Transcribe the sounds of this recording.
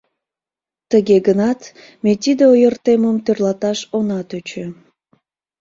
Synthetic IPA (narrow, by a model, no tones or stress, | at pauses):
t̪əɣeɡənɑt̪ | met̪id̪eojərt̪eməmt̪ørlɑt̪ɑʃonɑt̪øt͡ɕø